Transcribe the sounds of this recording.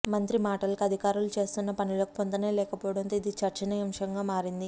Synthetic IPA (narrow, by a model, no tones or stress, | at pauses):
mɐnt̪ɾimaːʈɐlkɐd̪ʱikaːɾulut͡ʃe̞ːst̪unːɐpɐnilo̞ːki̥pɔnt̪ɐneːlɛːkɐpɔːɐɽɐnt̪oːid̪it͡ʃɐɾt͡ʃɐniɐmʂɐŋɡaːmaːɾind̪i